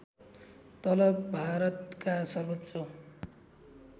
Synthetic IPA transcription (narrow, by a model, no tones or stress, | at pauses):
t̪ʌlʌbbʱaɾʌt̪kasʌrbʌt̪ːsʌ